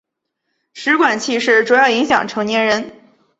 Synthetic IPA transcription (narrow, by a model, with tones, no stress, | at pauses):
ʂɻ̩˧˥kwa˨˩nt͡ɕʰi˥˧ʂɻ̩˥˩ʈ͡ʂu˨˩jɑ˥˩ʊi˧˥ŋɕjɑ̰˨˩ŋʈ͡ʂʰɤ˧˥ŋnjɛ˧˥nɻə˧˥n